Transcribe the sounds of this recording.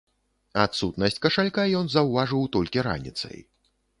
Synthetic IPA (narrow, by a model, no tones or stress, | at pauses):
at̪sut̪nɐsʲt͡sʲkɐʂalʲkajɔnzɐwvaʐɨwt̪ɔlʲkʲiɾa̰nʲḭt̪sɐ̰j